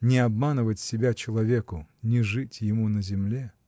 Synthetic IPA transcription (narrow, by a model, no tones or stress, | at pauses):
nʲɪɐbmanɨvətʲsʲɪbʲat͡ɕɪlˠɐvʲekʊnʲɪʐɨtʲjɪmunəzʲɪmlʲe